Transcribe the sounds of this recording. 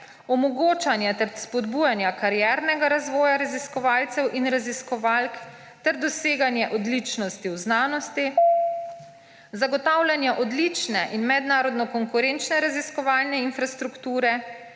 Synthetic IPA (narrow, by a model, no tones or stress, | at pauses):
ɔmɔɡoːt͡ʃanjɛt̪ɛɾspɔd̪bujanjakaɾjɛɾnɛɡaɾazʋɔːjaɾaziskɔʋaːlt̪sɛwʔinɾaziskɔʋalk | t̪ɛɾd̪ɔseːɡanjɛʔɔd̪lit͡ʃnɔst̪iwznaːnɔst̪i | zaɡɔt̪aːwlʲjanjaʔɔd̪lit͡ʃnɛʔinmɛd̪naːɾɔd̪nɔkɔŋkuɾeːnt͡ʃnɛɾaziskɔʋaːlnɛinfɾast̪ɾukt̪uːɾɛ